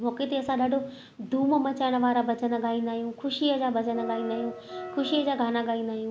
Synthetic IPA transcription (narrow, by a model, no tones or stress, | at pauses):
mɔːket̪eɐsãɗaːɖʱo | d̪ʱuːmmɐt͡ɕaːɪɽ̃ə̆ʋaːɾabɐt͡ɕənəɠaːĩːnd̪aːɦijũxʰʊʃiəd͡ʑaːbɐt͡ɕənəɠaːĩːnd̪aːɦijũxʰʊʃiəd͡ʑaːɡʱaːnaɠaːĩːnd̪aːɦijũ